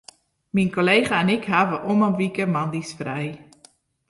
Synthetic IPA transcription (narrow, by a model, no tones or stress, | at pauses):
minkolejχaɛnɪkɦaːʋəʔomənʋikəmandisfrɛj